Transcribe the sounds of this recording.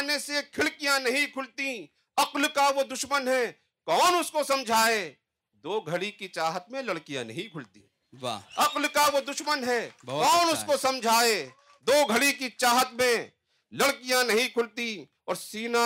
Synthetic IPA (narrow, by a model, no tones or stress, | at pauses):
nesekʰɪlkijãnɐɦĩkʰʊlt̪ĩ | ɐqlkaʋod̪ʊʃmənɦɛ | kɔːnʊskosɐ̃md͡ʒʱaːe | d̪oːɡʱɐɽikit͡ʃaːɦət̪̚mẽlɐɽkijã̰nɐ̰ɦĩkʰʊlt̪ḭ̃ | a̰ɐqlkaʋod̪ʊʃmənɦɛːbkɔːnʊskosɐ̃md͡ʒʱaːe | d̪oːɡʱəɽik̬it͡ʃaːɦət̪mẽ | lɐɽkijãnɐɦĩkʰʊlt̪ĩ | ɔːɾsiːna